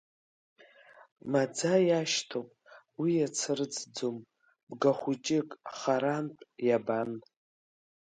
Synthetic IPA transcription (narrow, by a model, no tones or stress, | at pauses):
mad͡zajaʃtʰopʼ | wijat͡sʰɨrɨt͡sʰd͡zom | bɡaχʷut͡ʃʼɪkʼχaɾanpʼjaban